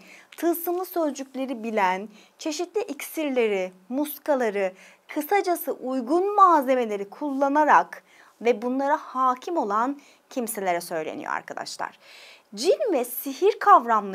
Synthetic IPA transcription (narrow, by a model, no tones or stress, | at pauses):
t̪ʰɯsɯmlˠɯsø̞zd͡ʒykʲlʲe̞ɾibilʲæn | t͡ʃʰe̞ʃit̪lʲiʔicsiɾlʲe̞ɾimuskalˠaɾɯ | kʰɯsad͡ʒasɯʔujɡunmaːze̞me̞lʲe̞ɾikʰulˠːanaɾak | vɛbunlˠaɾahaːcʰimo̞lˠan | cʰimse̞lʲe̞ɾɛsø̞jlʲḛnḭjo̰a̰ɾkʰad̪a̰ʃlˠa̰ɾ̥d͡ʒinvɛsiɦiɾkʰavɾamlˠ